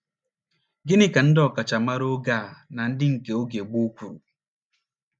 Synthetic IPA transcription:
ɡɪ˦nɪ˦ka˨n̩˦dɔ˨ka˨t͡ʃa˨ma˦ɾo˦ɡaː˦˨na˨n̩˦dɪ˦ŋ̩˨ke˨o˦ɡe˨ɡ͡bu˦kʷu˨ɾṵ˨

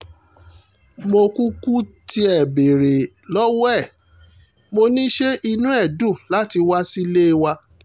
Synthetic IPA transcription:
mo˧ku˦ku˦ti˧˦ɛ˨be˨ɾe˨ | lɔ˦wɛ˦˨ | mo˧nĩ˦ʃe˦ʔi˧nũ˦ɛ˦˨dũ˦˨la˦ti˧wa˦si˦le˦˧wa˧

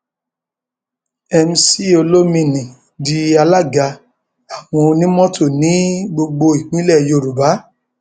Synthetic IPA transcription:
ɛ˧m̩˧si˦o˧lo˦mĩ˧˨nĩ˨ | di˧a˧la˦˨ɡa˧ | a˨w̃ɔ̃˧o˧nĩ˦mɔ̃˦tʰo˦˨nĩ˨˦ɡ͡bo˧ɡ͡bo˧i˨k͡pĩ˨˦lɛ˦˨jo˧˨ɾu˨ba˨˦

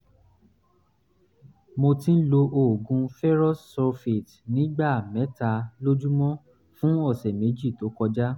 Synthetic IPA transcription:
mo˧tĩ˦n̩˦lo˧ʔo˨ɡũ˧fɛ˦ɾɔ˦sːɔ˧fe˨t | nĩ˨˦ɡ͡ba˦˨mɛ̃˨˦ta˧lo˦d͡ʒu˦mɔ̃˦ | fũ˦ɔ˦˨sɛ˨me˨˦d͡ʒi˦˨to˨˦kɔ˧d͡ʒa˦

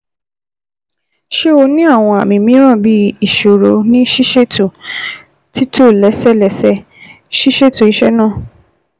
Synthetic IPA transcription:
ʃe˦o˧nĩ˦a˦˨w̃ɔ̃˧a̰˨mĩ˧mĩ˦ɾ̃ã˦˨bi˦i˦˨ʃo˨ɾo˧nĩ˦ʃi˦ʃe˦to˨ | ti˦to˦˨lɛ˨˦sɛ˦˨lɛ˨˦sɛ˦ | ʃi˦ʃe˦˨to˨i˨˦ʃɛ˦nã˦˨

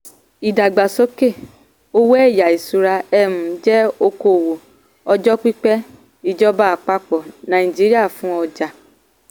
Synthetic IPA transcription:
i˨da˨ɡ͡ba˨so˦ke˦˨ | o˦wɛ˦˨ja˨i˨su˨ɾa˧ɛ˦˨mũ˨˦d͡ʒɛ˦o˧ko˨wo˨ | ɔ˧d͡ʒɔ˦k͡pi˦k͡pɛ˦ | i˦˨d͡ʒɔ˦ba˦a˨k͡pa˦k͡pɔ˨nã˨ĩ˨d͡ʒi˦ɾi˦a˦˨fũ˦ɔ˧d͡ʒa˧

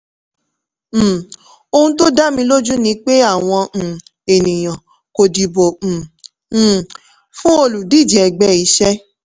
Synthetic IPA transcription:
m̩˨ | o˧hũ˧˦t̬o˦da˦mĩ˧lo˦d͡ʒu˦nĩ˧k͡pe˦a˦˨w̃ɔ̃˧˨ | e˨nĩ˨j̃ã˨ | ko˧di˧bo˨ | fũ˦o˧lu˨di˦˨d͡ʒi˨ɛ˨ɡ͡bɛ˨˦i˨˧˦ʃɛ˦

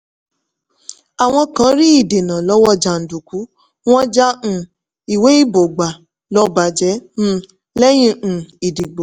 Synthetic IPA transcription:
a˨w̃ɔ̃˧kã˨˦ɾi˦i˦˨de˨nã˨lɔ˨˦wɔ˦d͡ʒa˨n̩˨du˨ku˨˦ | w̃ɔ̃˦d͡ʒã˦˨ | i˨we˨˦i˦bo˨ɡ͡ba˨ | lɔ˦ba˨d͡ʒɛ˨˦m̩̃˦ | lɛ˦j̃ĩ˦˨i˨di˨ɡ͡bo˨

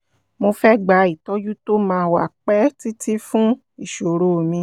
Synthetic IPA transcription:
mo˧fɛ˦ɡ͡ba˨˦i˨tɔ˦d͡ʒu˦to˦mãː˧˦wa̰˦˨k͡pɛ˦ti˦ti˦fũ˦ | i˦˨ʃo˨ɾo˨mĩ˧

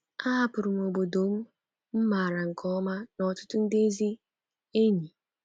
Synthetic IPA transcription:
a˦a˨pʊ˨ɾʊ˨m˨o˨bo˨do˨m̩˦ | m̩˦ma˨ɾa˨ŋ̩˨kʰɔ˦ma˦nɔ˨tʊ̥˦tʊ˦n̩˦de˦zi˦ | e˦ɲi˨

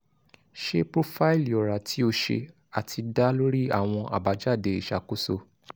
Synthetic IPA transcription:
ʃe˧pɾo˧fa˦i˦˨lɔ˨ɾa˨tʰi˨˦o˧ʃḛ˧ | a˨tʰi˧da˦lo˦ɾi˦˨a̰˦˨w̃ɔ̃˧ʔa̰˨ba˨˦d͡ʒa˦˨de˨˧i˨ʃa˨˦ko˦so˧

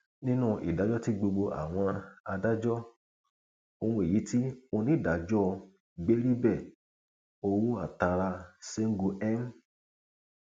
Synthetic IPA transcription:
nĩ˦nũ˦˨ʔḭ˨da˨˦d͡ʒɔ˦ti˦ɡ͡bo˧ɡ͡bo˧ʔa̰˨w̃ɔ̃˧a˧da˦d͡ʒɔ˦ | o˧hũ˧e˨ji˨˦ti˦o˧nĩ˨˦˨da˨˦d͡ʒɔ˦˧ | ɡ͡be˦ɾi˦bɛ˦˨ | o˧wu˦a˦˨ta˧ɾa˧se˦ŋ̩˦ɡu˧ɛ˦m˦

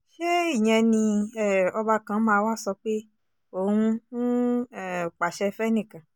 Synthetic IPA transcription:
ʃe˦i˦˨j̃ɛ̃˧nĩ˧ɛ˦˨ɔ˧ba˧kã˧˦mãː˧˦wa˦˨sɔ˧k͡pe˦ | o˦˨hũ˧n̩˦ɛ˦˨k͡pa˨ʃɛ˧fɛ˦nĩ˦˨kã˨

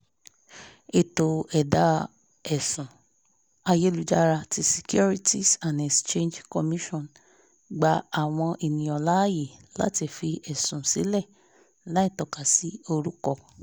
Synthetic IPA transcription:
e˨to˨ɛ˨da˨˦ | ɛ˨sũ˨ | a˧je˦lu˨˦d͡ʒa˧ɾa˧ti˦si̥˨kju˦ɾi˦ti˦sã˨nɛ˨st͡ʃẽ˦nd͡ʒkɔ˧mĩ˦ʃɔ̃˦˨n | ɡ͡ba˨a˨w̃ɔ̃˧ʔe˨nĩ˨ɔ˨la˦je˨la̰˦ti˨fi˧ʔɛ˨sũ˨si˨˦lɛ˦˨ | la˨˦i˦˨tɔ˨ka˨si˨˦o˧ɾu˦kɔ˦˨

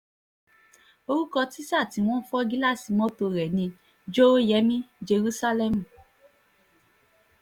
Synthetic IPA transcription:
o˧ɾu˦kɔ˧ti˦sa˦˨ti˨˧w̃ɔ̃˦fɔ˦ɡi˦la˦˨si˨mɔ̃˦to˧ɾɛ˨nĩ˧ | d͡ʒo˦jɛ˨˦mĩ˦d͡ʒe˧ɾu˦sa˦lɛ˦˨mũ˨

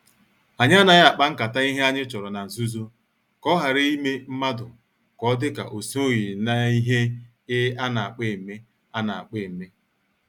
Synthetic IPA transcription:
a˨ɲ˦a˦na˦ɣa˦a˨k͡pa˦ŋ̩˦ka˨ta˦i˦ɦe˦a˦ɲɪ˦t͡ʃɔ˨ɾɔ˨na˨n̩˨zu˦zo˦ | kɔ˦ɦa˨ɾɪ˦i˦me˦m̩˦ma˦dʊ˨ | kɔ˦dɪ˦ka̰˨ʔo˨si˦o˦ɣi˨na˦i˦ɦe˦ | ɪ˦a˦na˨a˨k͡pe˦˨me˦ | a˦na˨a˨k͡pe˦˨m̩˨me˦

